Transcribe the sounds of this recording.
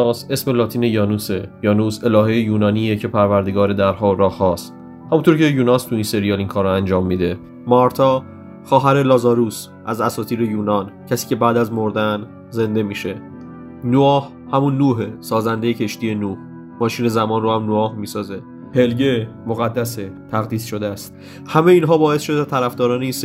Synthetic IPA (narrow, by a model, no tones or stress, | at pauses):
se̞sme̞lɒːt̪ʰiːnejɒːnusejɒːnuse̞lɒːɦejejuːnɒːniːecʰe̞pʰæɾvæɾd̪eɡɒːɾed̪æɾhɒːoɾɒːhːɒːst̪ | hæmunt̪oɾcʰe̞juːnɒːst̪ʰuinse̞ɾijɒːlinkʰɒːɾoænd͡ʒɒːmːiːd̪e̞ | mɒɾt̪ʰɒ | xɒːɦæɾelɒːzɒːɾuːs | ʔæzæsɒːt̪ʰiːɾejuːnɒːncʰæsiːcʰe̞bæːd̪æzmoɾd̪æn | ze̞nd̪e̞miːʃe̞ | nuɒːh | hæmunːuːɦesɒːzænd̪ejecʰe̞ʃt̪iːje̞nuːh | mɒːʃiːne̞zæmɒːnrohæmnoɒːhmiːsɒːze̞ | pʰe̞lɟe | moɣæd̪ːæset̪ʰæɣd̪iːsʃo̞d̪eæst̪̚ | hæmejiːnɦɒːbɒːe̞sʃod̪et̪ʰæɾæfd̪ɒːɾɒːneis